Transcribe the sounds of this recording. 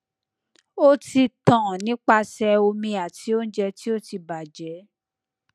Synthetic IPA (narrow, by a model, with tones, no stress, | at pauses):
o˦ti˧tã˨nĩ˦k͡pa˧sɛ˧o˧mĩ˧a˨ti˨˦o˦n̩˦d͡ʒɛ˧ti˦o˦ti˧ba˨d͡ʒɛ˨˦